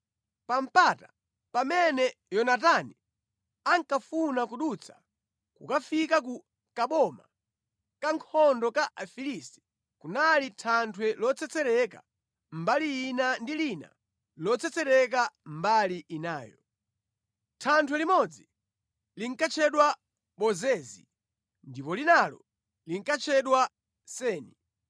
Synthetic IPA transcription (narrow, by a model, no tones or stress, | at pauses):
pam̩pata | pamɛnɛjɔnatani | aŋkafunakuɗut͡sʰḁ | kukafikak̬u | kaɓɔma̰ | kaŋkʰɔndɔkaʔafilisti̥ | kunalitʰantʰwɛlɔt͡sɛt͡sɛɾɛka̰ | m̩baliːnandilina̰ | lɔt͡sʰɛt͡sɛɾɛk̬ambaliʔinaːjɔ̰ | tʰantʰwɛlimɔd͡zi | liŋ̩kat͡ʃʰɛɗwa | ɓɔzɛːzḭ | ndipɔlinalɔ̰ | liŋ̩kat͡ʃʰɛɗwa | sɛːni